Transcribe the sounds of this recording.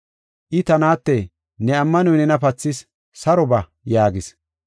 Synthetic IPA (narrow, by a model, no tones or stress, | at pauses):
ʔɪt̪ɐnaːt̪ːɛ | nɛɐmːɐnɔjnɛnɐpɐt͡sːɪs | sɐɾɔbɐ | jaːɡɪs